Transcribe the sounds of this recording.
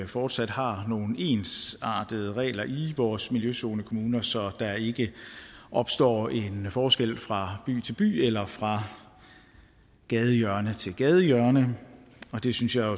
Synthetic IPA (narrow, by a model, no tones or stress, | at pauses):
fɒːd̥sæd̥hɑ̈no̝ːn̩e̝ːnsɑ̰̈ːd̥əð̩ˠəʁɛ̰ːlɐʔiʋɒːsmiljøso̝ːnəkʰo̝muːnɐsɒ̽d̥ɑ̈e̝ɡ̥əʔɒ̽b̥sd̥ɒ̰ːe̝nfɒːsɡ̥el̰fʁɑ̈b̥y̰ːt͡sʰe̝lb̥y̰ːelɐfʁɑ̈ | ɡ̥ɛːðˠəjœɐnət͡sʰe̝lɡ̥ɛːð̞ˠəjœɐnəɒ̽d̥e̝synsjɑ̈ɪo